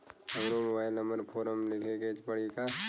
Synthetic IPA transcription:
ɐɡɾomobaːɪləməɾpʰoːɾəmlɪkʰeket͡ʃpəɽika

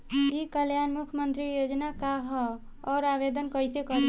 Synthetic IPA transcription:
ikəljanmukʰəmənt̪ɾijod͡ʒnakaɦ | ɔːɾaʋed̪ənkəjsekəɾi

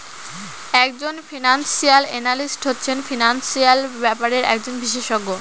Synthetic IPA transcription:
ɛkd͡ʑonfʰinansialenalisʈɦotːɕʰenfinansialbɛpaɾeɾɛ̰k̚d͡ʑonbiʃeʃoɡo

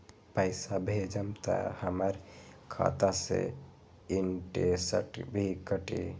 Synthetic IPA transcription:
pəjsabʱed͡ʒəmt̪ə̰həməɾkʰa̰t̪asḛ | inʈesə̰ʈbʱikəʈḭ

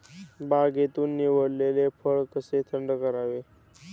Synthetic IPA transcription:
baɡet̪uːnːiʋəɽlelepʰəɭkəset̪ʰəɳɖəkəɾaʋe

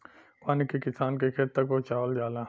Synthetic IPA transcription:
paːnikekɪsaːnkekʰet̪ːɐkot͡ʃaːʋəld͡ʒaːlãː

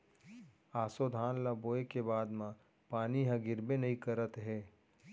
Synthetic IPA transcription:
aːsod̪ʱaːnlaboːekebaːd̪mã | paːniɦãɡɪɾbenɐĩkəɾət̪ɦɛː

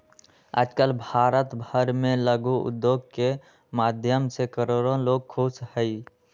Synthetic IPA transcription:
a̰d͡ʒkəlbʱaɾət̪bʱəɾmeləɡuṵd̪joɡ̚ke | mad̪ʱjəmsekəɾoɾõloɡ̚kʰushəɪ

